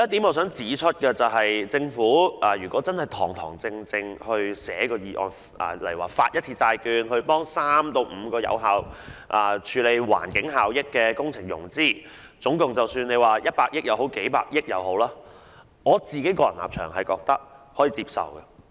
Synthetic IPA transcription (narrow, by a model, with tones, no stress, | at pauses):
ɛ˥t̪i˨˥mɔ˨˧˩s̬œː˨˥ŋt͡siː˨˥t͡ʃʰɵ˥t̚kɛː˧t͡sɐ˨wɦɐ˨jt͡sɪ˧ŋfuː˨˥ʔɐː˨jyː˨˩kʷɔː˨˥t͡sɐ˥nhɐ˨jt̪ʰɔː˨˩ŋt̪ʰɔ̰ː˨˩ŋt͡sɪ˧ŋt͡sɪ˧ŋhɵ˧ɥsɛ̰ː˨˥kɔː˧jiː˨˧ʔɔ̰ː˨n | ʔɐ̰ː˨˩lɐ̰˨˩jwaː˨˩faː˧t̚jɐ˥t̚t͡sʰiː˧t͡saː˧jkyː˧nɦɵ˧ɥpɔː˥ŋsaː˥mt̪o˧wm̩ː˨˧kɔː˧jɐ̰˧wɦaː˨˧wʔaː˨t͡ʃʰyː˨˧le˨˧jwa̰ː˨˩nkɪ˨˥ŋɦaː˨wjɪ˥kːɛː˧kʊ˥ŋt͡sʰɪ˨˩ŋjʊ̰˨˩ŋt͡siː˥˩ | t͡sʊ˨˥ŋkʊ˨ŋt͡sɐ˨˩wsyː˧ne˨˧jwaː˨jɐ˥t̚paː˧k̚jɪ˥k̚jɐ˨˧wɦo˨˥wke˨˥jpaː˧k̚jɪ˥k̚jɐ̰˨˧wɦo˨˥wlaː˥ | ŋɔː˨˧t͡siː˨ke˨˥jkɔː˧jɐ˨˩nla̰ː˨p̚t͡ʃʰœː˨˩ŋhɐ˨jkɔː˧k̚t̪ɐ˥k̚hɔː˨˥jiː˨˧t͡siː˧˥p̚sɐ̰˨wkɐ˧